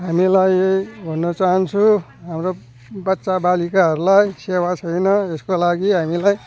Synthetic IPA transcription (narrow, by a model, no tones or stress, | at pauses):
ɦamilajejbʱʌnːʌt͡saɦʌnt͡sʰũ | ɦamro | bʌtːsabalikaɦʌɾulajsewat͡sʰʌjnʌeskolaɡiɦamilaj